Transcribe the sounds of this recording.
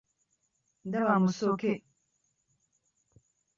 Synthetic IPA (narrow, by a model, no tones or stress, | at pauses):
ndaβamusoke